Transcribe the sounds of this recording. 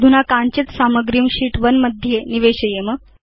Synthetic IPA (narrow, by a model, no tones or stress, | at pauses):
d̪ʱunakant͡ɕit̪saməɡɾiumɕiːʈʋənməd̪ʱːjeniʋeɕəjemə